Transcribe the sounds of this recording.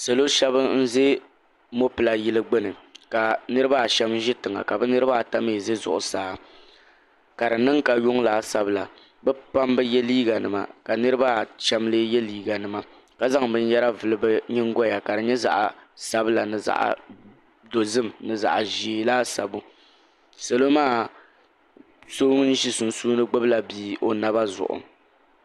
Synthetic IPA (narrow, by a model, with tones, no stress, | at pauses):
se˨lo˦ʃɛ˦bɨ˦n̩˦ze˦ | mo˦pɨ˨la˨jɪ˦lɨ˦ɡ͡bɛ˦nɨ˨ka˨nɨ˦ɾɨ˦ba˦˨ʃɛ˦mʒɪ˦tɨ˨ŋa̰˨ka˨bɨ˦nɨ˦ɾɨ˦ba˦˨ta˦meː˨ze˦zʊ̰˨ʔʊ̰˨saː˦ | ka˨ɾɨ˨nɨ˦ŋka˨jʊ˦ŋlaː˨˦sa˨bɨ˦la˨ | bɛ˦pa˦mbɨ˦jɛ˦liː˦ɡa˨nɨ˨ma̰˨ka˨nɨ˦ɾɨ˦ba˦˨t͡ʃɛ˦mleː˦jɛ˦liː˦ɡa˨nɨ˨ma˨ | ka˨za˦ŋbɨ˦ɲ˦jɛ˦ɾa˦vɨ˨lɨ˦bɨ˦ɲɪ˦ŋ˦ɡɔ˦ja˨ka˨dɨ˨ɲɛ˦za̰˨ʔa̰˨sa˦bɨ˦la˨nɨ˨za̰˨ʔa̰˨ | do˨zɨ˦˨mnɨ˨za̰˨ʔa˨ʒi˨˦laː˦sa˨bu˦ | sa˨lo˦maː˦˨ | so˦n̩˦ʒi˦sʊ˨nsuː˦nɨ˦ɡ͡bɨ˦bɨ˦la˨biː˦o˨na˨ba˦zʊ̰˨ʔʊ̰˨